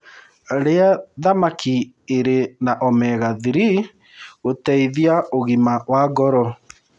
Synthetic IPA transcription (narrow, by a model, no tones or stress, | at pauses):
ɾeaðamaki | eɾenaʔɔmɛɣaðiɾi | otɛiðiaoɣimawaɡɔɾɔ